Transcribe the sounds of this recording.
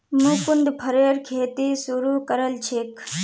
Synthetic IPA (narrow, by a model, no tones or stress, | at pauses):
mũːkʊnd̪pʰəɾeːɾkʰeːt̪iːsuɾuːkəɾəlt͡ʃʰeːk